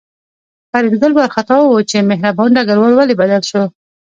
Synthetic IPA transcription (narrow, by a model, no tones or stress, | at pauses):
paɾɪd̪ɡəlbaɾxat̪ɑwwot͡ʃemɪɦɾabanɖaɡaɾwɑlwalebad̪alʃo